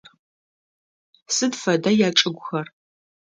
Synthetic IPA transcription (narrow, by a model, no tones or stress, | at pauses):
r | sɨdfɐdajaːʈ͡ʂʼɨɡʷʊxɐr